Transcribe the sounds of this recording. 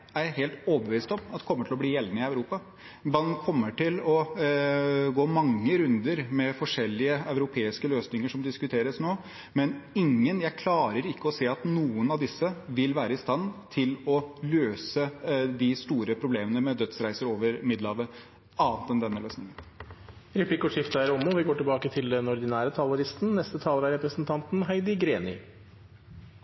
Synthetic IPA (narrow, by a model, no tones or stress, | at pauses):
æɾheːlt̪oːbəʋiːst̪ɔmɑt̪ɛkʰɔmːəʈʰɪlɔbliːjɛlːnəɪɑʉɾuːpɑ | bɑn̩kʰɔmːəʈɪlɔ | ɡoːmɑŋːəɾʉnd̪əɾmɛfɔʂɛlːɪəœʉɾʊpʰeːɪskəløːsnɪŋəʂɔmd̪ɪskʉt̪ʰeːɾəsnoː | mɛnɪŋːənjæɪkʰlɑːɾəɾɪkːəɔseːɑt̪nuːənɑʋd̪ɪsːəʋɪlʋæːɾəɪst̪ɑnːt̪ʰɪlɔløːsəd̪ɪst̪uːɾəpʰɾʊbleːmənəmɛd̪œt̪sɾæɪsəɾoːʋəɾmɪd̪lɑʋə | ɑːənt̪ɛnd̪ɛnːəløːsnɪŋən | ɾɛpʰlikɔʂɪft̪əæɾɔmɔʋɪɡoːʈɪlbɑːkət̪ʰɪld̪ɛnɔɾd̪ɪnæːɾət̪ʰɑləɾɪst̪n̩nɛst̪ət̪ʰɑːləɾæɾɛpɾəsənt̪ʰɑnt̪n̩ɦæɪd̪ɪɡɾeːnɪ̰